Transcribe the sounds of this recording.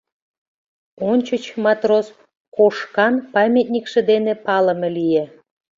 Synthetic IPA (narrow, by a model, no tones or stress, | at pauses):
onʲt͡ɕət͡ɕmɑt̪ros | koʃkɑnpɑmʲet̪̚nʲikʃĕd̪enepɑlə̆melije